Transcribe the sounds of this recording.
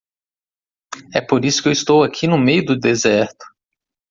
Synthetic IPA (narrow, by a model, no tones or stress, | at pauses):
ɛpoɾisʊ̥kewist̪owakʰinʊmejʊd̪ʊd̪ezɛɾt̪ʊ̥